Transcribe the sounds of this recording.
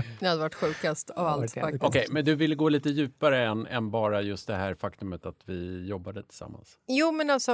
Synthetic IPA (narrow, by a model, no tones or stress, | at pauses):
nɪhad̪ːəvaʈːɧʉ̟ːkast̪ʰavalt̪fakɔkʰɛjmɛnd̪ɵvɪlːəɡoːliːt̪əjʉ̟ːpaɾəɛnːɛ̰nbɑːɾajɵst̪̚d̪ɛɦæːɾfakt̪ɵmət̪at̪vɪjɔbːad̪ət̪ʰɪ̥lsa̰mːa̰nsjuːmɛnalsɔ